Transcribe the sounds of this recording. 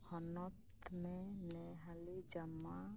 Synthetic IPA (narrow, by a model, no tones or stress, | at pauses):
hɔnɔt̪mẽnɛɦaled͡ʒəmːa